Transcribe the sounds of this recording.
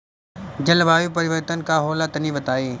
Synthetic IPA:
d͡ʑɐlʋaːjuːpɐɾɪʋəɾt̪ənɪkʰãːɦoːlaːt̪ɐniːʋɐt̪aːeː

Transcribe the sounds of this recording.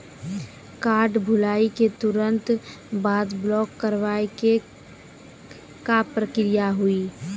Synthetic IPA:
kaːɾɖbʱʊlaːiket̪ʊɾə̃nt̪ | baːd̪blɔːkːəɾʋaːeke | kapɾəkɾijaɦuiː

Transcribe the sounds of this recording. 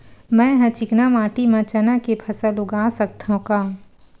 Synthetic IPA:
mɛ̃ːɦɐ̃t͡ʃɪknamaːʈimɐ̃t͡ʃənakepʰɐsəlʊɡaːsək̚t̪ʰaɦũkaː

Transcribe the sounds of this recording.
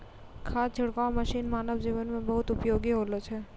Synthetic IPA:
kʰad͡ʒʱəɽkaməʃinmaːnəbd͡ʒiʋənmẽbəɦut̪upjoɡiɦolot͡ʃʰe

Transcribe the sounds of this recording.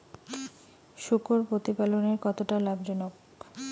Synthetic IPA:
ʃukoɾpɾot̪ipaloneɾkɔt̪oʈalabd͡ʑɔnok

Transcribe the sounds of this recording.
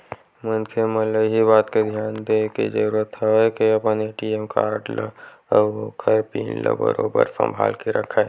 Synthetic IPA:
mənkʰemələɦibaːt̪ked̪ʱjaːnd̪ekḛd͡ʒəɾuːɾət̪əekeɐpneʈiːemka̰ːɾɖlə̰ | əokʰɐɾpiːnlə̰bə̰ɾoːbə̰ɾsə̰̃mbʱa̰ːlkeɾəkʰa

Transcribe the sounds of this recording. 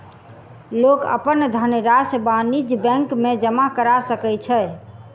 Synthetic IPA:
lokə̰pənd̪ʱəneɾasbanid͡ʒbɛ̃ŋkmed͡ʒəmakəɾasəkɛt͡ʃʰɛ

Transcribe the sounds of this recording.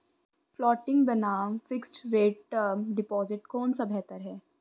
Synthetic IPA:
flɔːʈɪ̃ŋɡbɛnaːmfɪksʈɾeːɖʈəɾmɖɪpɔːzɪʈkɔːnsabʱɛɦt̪əɾɦɛː

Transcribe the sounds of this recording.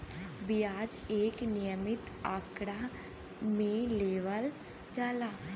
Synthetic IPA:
bɪjaːd͡ʒeːknɪjəmɪt̪ | aːkɽa | mẽleːʋəl | d͡ʒaːlaː

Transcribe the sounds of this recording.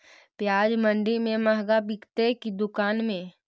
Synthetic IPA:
pjaːd͡ʒmə̃ɳɖimẽmɐɦɡabɪkt̪ekid̪ʊkaːnmẽ

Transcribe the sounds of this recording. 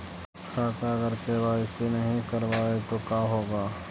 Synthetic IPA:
kʰaːt̪aɡəɾkeʋaːɪsinɐɦĩkɐɾʋaːet̪okjaːɦoːɡaː

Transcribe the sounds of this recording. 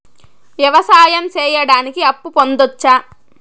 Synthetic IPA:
ʋjɐʋɐsaːjɐmt͡ʃɛːjɐɽaːnikiɐpːupond̪ot͡ʃːaː

